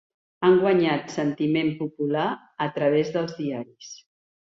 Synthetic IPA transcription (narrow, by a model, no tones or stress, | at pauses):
aŋɡwəɲat̪sənt̪imempupula | ət̪ɾəβ̞ezðəlˠzðiaɾis